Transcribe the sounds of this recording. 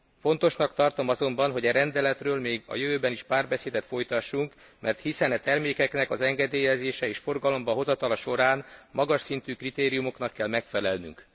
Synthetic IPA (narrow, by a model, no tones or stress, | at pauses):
fo̞nt̪o̞ʃnɒkt̪ɒrt̪o̞mɒzo̞mbɒnɦo̞ɟɛɾɛnd̪ɛlɛt̪røːlmeːɡɒ̰jøvøːbɛniʃpaːrbɛseːd̪ɛt̪fo̞jt̪ɒʃːuŋk | mɛrt̪hisɛnɛt̪ɛrmeːkɛknɛkɒzɛŋɡɛd̪eːjɛzeːʃɛeːʃfo̞rɡɒlo̞mbɒɦo̞zɒt̪ɒlɒʃo̞ɾaːnmɒɡɒʃsint̪yːkrit̪eːɾijumo̞kn̪ɒkːɛlmɛkfɛlɛlny̰ŋk